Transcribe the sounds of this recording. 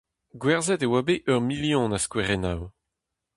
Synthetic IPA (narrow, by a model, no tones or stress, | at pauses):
ɡwɛʁzɛt̪ewabeʔœʁmiljɔ̃naskweʁenaw